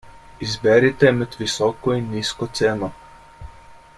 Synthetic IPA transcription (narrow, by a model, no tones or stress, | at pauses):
izbɛɾit̪ɛmɛd̪ʋisɔːkɔinːiːskɔt̪seːnɔ